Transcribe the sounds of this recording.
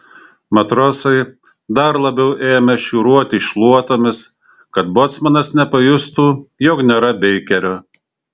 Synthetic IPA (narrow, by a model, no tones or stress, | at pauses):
mɐt̪ɾoːsɐɪ | d̪ɐɾlˠɐbʲɛʊʔeːmʲɛʃʲuːɾuɔt̪ʲɪʃʲlˠuɔt̪oːmʲɪs | kɐt̪̚boːt̪smɐnɐsnʲɛpɐjʊst̪uːjoːknʲeːɾɐbʲɛɪkʲɛɾʲoː